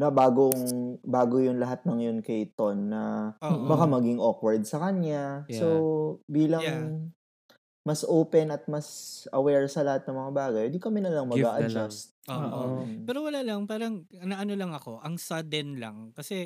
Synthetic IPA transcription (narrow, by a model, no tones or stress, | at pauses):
nɐbaːɡoŋbaːɡojʊnlɐɦat̪̚nɐŋɐjonkɐjt̪onːɐbɐkamɐɡiŋʔokwɐɹd̪̚sɐkɐɲɲasobiːlɐŋ | mɐsʔoːpɛnɐt̪̚mɐsɐwɛɹsɐlɐhat̪̚nɐŋmɐŋabaːɡɐjhɪnd̪ikɐmɛnɐlaŋmɐɡaːʔɐd͡ʒast̪̚ooʔopɛːɾowɐlaːlɐŋpaːɾɐŋnɐʔɐnolɐŋɐko̞ʔɐŋsɐd̪ɛnlɐ̰ŋkɐsɛ